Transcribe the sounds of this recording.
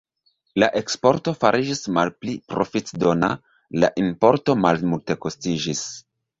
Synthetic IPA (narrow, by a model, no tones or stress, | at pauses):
laʔe̞kspo̞ɾto̞faɾʔid͡ʒismalplipɾo̞̰fitdo̞na̰ | la̰ʔinpo̞ɾto̞malmulte̞kostid͡ʒis